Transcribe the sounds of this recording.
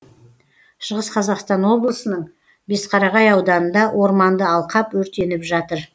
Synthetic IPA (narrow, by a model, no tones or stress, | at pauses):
ʃəʁəsqʰɑzɑqst̪ɑnwo̞blˠəsənəɴ | be̞sqʰɑɾɑʁɑjɑwd̪ɑnənd̪ɑwʔo̞ɾmɑnd̪əɑlˠqɑpwɵɾt̪e̞nɪpʒɑt̪əɾ